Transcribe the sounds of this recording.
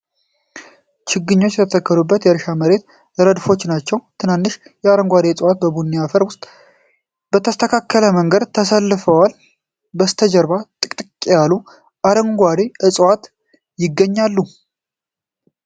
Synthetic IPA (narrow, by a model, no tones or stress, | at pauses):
t͡ʃɪɡɨɲːo̞t͡ʃːjɛt̪ʰət̪ʰəkːəɾubːət̪jɛɾʃaməɾe̞t̪ | ləɾəd̪fo̞t͡ʃːnat͡ʃːɛwt̪ʰɨnanːɨʃjɛaɾəŋɡʷad̪eɨsʼwat̪̚bəbunːiafəɾwʊst̪ʼ | b̥ət̪ʰəst̪ʰəkʰakːələməŋɡəd̪t̪ʰəsəlːɨfəwal | bəst̪ʰəd͡ʒəɾβat̪ʼɨkʼt̪ʼɨkʼːejalu | ʔaɾəŋɡʷad̪eʔɨsʼwat̪ | jɪɡːəɲːalːu